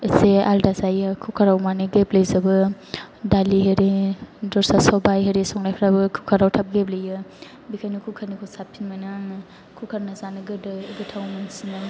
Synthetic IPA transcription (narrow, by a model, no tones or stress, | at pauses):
isealdazajɯkʰukʰaɾawmaneɡeplɐjzɐbɯ | daliɦeɾedɔɾsasawbajɦeɾesɔŋlajpʰɾabɯkʰukʰaɾawtʰap̚ɡep̚lɐjɯ | bikʰanukʰukʰaɾnikʰusapʰinmanɯ | kʰukʰaɾnazanɯɡɯdɯiɡitʰawmansinɯ